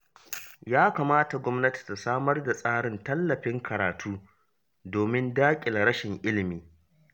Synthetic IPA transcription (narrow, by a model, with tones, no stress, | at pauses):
jaː˦kaː˨maː˦ta˨ɡʷɔ˦mnɐ˦ti̥˨ta˨saː˦mɐ˦rda˨sʼaː˦ɽɪ˨ntɐ˦lːɐ˨ɸɪ˦ŋkʰɐ˨ɾaː˨tʰuː˦ | doː˨mɪ˦ndaː˦kʲʼɪ˨nɽɐ˦ʃɪ˨ŋʔɪ˦lɪ˨miː˨